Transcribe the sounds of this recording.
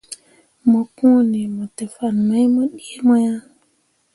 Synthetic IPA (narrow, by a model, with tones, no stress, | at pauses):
mo˨kũ˦ni˨mo˨te˨fa˨nma˦jmo˦ɗi˦e˦mo˦ja˦